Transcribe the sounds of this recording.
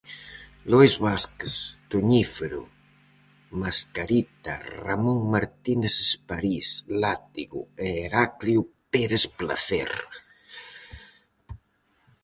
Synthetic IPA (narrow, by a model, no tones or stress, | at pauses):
lojzβaskest̪uɲifeɾṵ | maskaɾit̪a̰ra̰muŋmaɾt̪inesspaɾislat̪iɣṵeːɾakljupeɾespla̰θḛɾ